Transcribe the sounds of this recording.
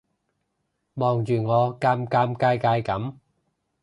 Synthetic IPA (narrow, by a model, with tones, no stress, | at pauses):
mɔː˨ŋt͡ʃyː˨ŋɔː˨˧kaː˧mkaː˧mkaː˧jkaː˧jkɐ˨˥m